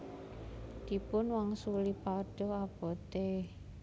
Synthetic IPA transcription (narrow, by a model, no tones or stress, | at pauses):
d̪̥i̤pʊnwaŋsulipaɖ̥oab̥ɔ̤t̪e